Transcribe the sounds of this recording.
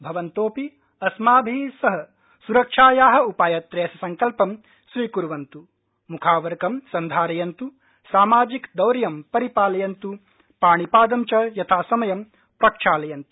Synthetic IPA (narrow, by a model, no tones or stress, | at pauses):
bʱɐʋɐnt̪oːpi | ɐsmaːbʱiːsɐɦɐ | suɾɐkʂaːjaːɦɐ̆upaːjɐt̪ɾeːsɐsɐŋkɐlpɐm | sɾiːkuɾuʋɐnt̪u | mukʰaːʋɐɾkɐmsɐnd̪ʱaːɾɐjɐnt̪u | saːmaːd͡ʒikd̪ɐwɾɐjɐmpɐɾipaːlɐjɐnt̪u | paːɳipaːd̪ɐmt͡ʃɐjɐt̪ʰaːsɐmɐjɐm | pɾɐkʂaːlɐjɐnt̪u̥